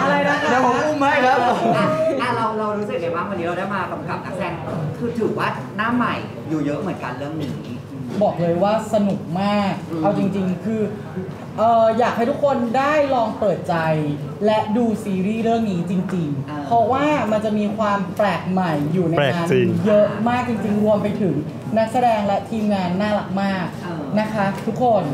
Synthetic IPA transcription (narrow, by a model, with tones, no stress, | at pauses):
a˧ɾa˧jna˦˥a˦a˧˩ɔ˨˦u˥˩ma˥˩jna˦˥˧a˧˩ʔa˧˩ɾa˧wɾa˧wɾu˦˥sɯ˨˩k̚da˦˥jmaː˥˩k̚wa˧nːiː˦ɾa˧da˥˩jmaː˧ka˧˩˦mka˨˩p̚naː˦˥sɛː˧˩ŋ˧kʰɯː˧t̪ʰɯː˨˩k̚waː˥˩ | naː˦˥˨mːa˨˩j | juː˨˩jɤ˦˥ʔmɯ˨˩˦ə˦nka˧nlɯ˥˩əŋniː˩˨˦ | bɔː˨˩k̚lɤː˧jwaː˥˩sa˧nu˨˩k̚maː˥˩k̚ʔa˧wt͡ɕi˧ŋt͡ɕi˧ŋkʰɯː˧ | ʔɤː˨˩jaː˨˩k̚ha˥˩jt̪ʰu˦˥kʰo˧ndaː˥˩jɾɔː˧ŋpɤː˨˩t̪̚t͡ɕa˧jlɛ˦˥ʔduː˧siː˧ɾiː˥˩ɾɯ˥˩əŋniː˦˥t͡ɕi˧ŋt͡ɕi˧ŋ | pʰɾɔ˦˥waː˥˩ma˧nt͡ɕa˨˩ʔmiː˧kʰwaː˧mplɛː˨˩k̚ma˨˩jːuː˨˩na˧jaː˧njɤ˦˥ʔmaː˥˩k̚t͡ɕi˧ŋt͡ɕi˧ŋɾu˧əmpa˧jt̪ʰɯ˨˩˦ŋ | na˦˥k̚sa˧dɛː˧ŋlɛ˦˥t̪ʰiː˧mŋaː˧nːaː˥˩la˨˩k̚maː˥˩k̚ | na˦˥kʰa˦˥t̪ʰu˦˥kʰːo˧n